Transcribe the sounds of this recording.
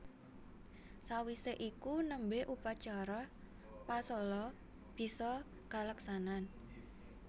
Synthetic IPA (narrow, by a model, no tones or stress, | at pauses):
sawiseʔikunəmbeʔupat͡ʃaɾɔ | pasɔlɔ | b̥i̤sɔ | ka̤ləksanan